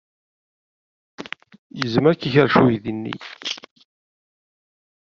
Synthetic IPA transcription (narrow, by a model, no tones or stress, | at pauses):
jəzmæɾkːiçəɾʃujðinːḭ